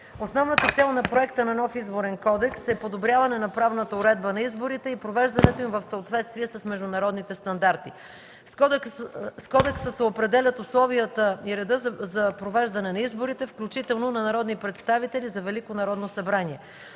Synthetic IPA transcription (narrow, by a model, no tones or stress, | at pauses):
osnɔvnət̪ət̪sɛlˠnɐpɾoɛkt̪ənɐnɔfizboɾɛnkɔd̪ɛksɛpod̪obɾʲjavɐnɛnɐpɾavnət̪əʊɾɛd̪̚bənɐizboɾit̪ɛipɾovɛʒd̪ɐnɛt̪oimvəfsəot̪vɛt̪st̪viɛsɐsmɛʒd̪ʊnɐɾɔd̪nit̪ɛst̪ɐnd̪aɾt̪i | skɔd̪ɛksəsɛopɾɛd̪ɛlʲət̪ʊslˠɔvijət̪əiɾɛd̪ɤzɐpɾovɛʒd̪ɐnɛnɐizboɾit̪ɛfklʲut͡ʃit̪ɛlˠnonɐnɐɾɔd̪nipɾɛt̪st̪avit̪ɛlizɐvɛlikonɐɾɔd̪nosɐbɾaniɛ